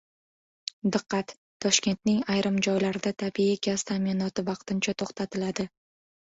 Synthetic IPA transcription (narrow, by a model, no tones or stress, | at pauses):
d̪ɨqːɑt̪ːʰɒʃkʲe̞nt̪nɪŋajɾʔɪmd͡ʒɒjlaɾɪd̪at̪ʰabiɪɡʲʰaz̥t̪ʰaminɒt̪ɪvɑqt̪ʰɪnt͡ʃʰat̪ʰoχt̪ʰat̪ʰɪlad̪ɪ